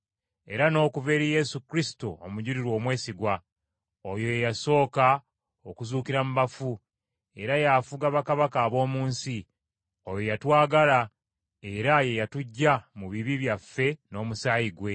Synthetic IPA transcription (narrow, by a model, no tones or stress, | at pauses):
e̞̰ɾano̞ːkuve̞ːɾije̞sukɾisi̥too̰muɟuɾiɾwo̞ːmwe̞ːsiɡwa | ojo̞jejaso̞ːka | okuzuːkiɾamuβafu | e̞ɾajafuɡaβakaβakaːβo̞ːmuːnsi | ojo̞jatwaːɡala | e̞ɾaje̞jatuɟːamuβiβiβjafːe̞no̞ːmusaːjiɡwe̞